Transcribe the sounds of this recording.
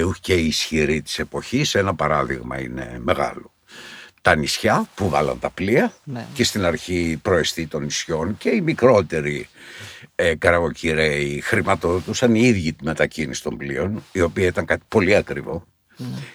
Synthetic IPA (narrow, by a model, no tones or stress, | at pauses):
uceiːsçiɾit̪i̥se̞po̞çisenɐpɐɾɐðḭɣmɐ̰ḭne̞̰me̞ɣɐ̰lo̞ | t̪ɐnisçɐpuvɐlɐ̰nt̪ɐpliɐce̞st̪inɐɾçipɾo̞est̪it̪o̞nisço̞nce̞imikɾo̞t̪e̞ɾi | ekɐɾɐɣociɾeixɾimɐt̪oðot̪usɐniiðʝit̪ume̞t̪ɐcinisi̥t̪o̞mblio̞nio̞piɐit̪ɐŋkɐt̪i̥po̞liɐkɾivo̞